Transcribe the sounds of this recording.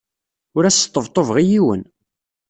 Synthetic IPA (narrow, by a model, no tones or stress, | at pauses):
ʊɾæsə̥t̪ˤːəvt̪ˤːovʁijiwə̰n